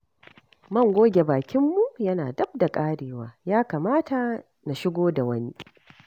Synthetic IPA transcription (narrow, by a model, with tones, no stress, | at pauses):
mɐ˦˨ŋɡʷoː˦ɡʲe˨baː˨kʲɪ˦mːu˨jɐ˦naː˨dɐ˦b̚da˨kʼaː˦ɽeː˨waː˦jaː˦kaː˨maː˦ta˨ | na˨ʃɪ˦ɡʷoː˦da˨wɐ˦ni˦